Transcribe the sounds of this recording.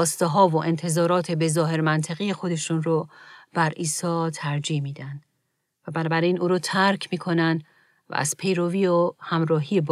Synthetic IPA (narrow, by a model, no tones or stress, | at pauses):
st̪eɦɒːvoʔe̞nt̪ʰe̞zɒːɾɒːt̪ʰebe̞zɒːɦe̞ɾmænt̪ʰeɣijexo̞d̪e̞ʃuːnɾob̥æɾiːsɒːt̪ʰæɾd͡ʒihmiːd̪ænd̪̥ | væbænɒːbæɾiːnʔuːɾɔːt̪ʰæɾcʰmiːkʰo̞nænd̪ | væ̰æ̰z̥pʰe̞jɾoviːohæmɾɒːɦiːjeb